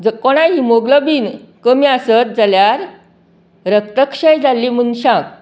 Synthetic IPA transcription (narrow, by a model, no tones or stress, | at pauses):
d͡zəkɔɽ̃ãɦimoɡləbiːnkəmiasət̪̚d͡zaljaɾ | ɾək̚t̪əkɕəjd͡zalːimunɕãk̚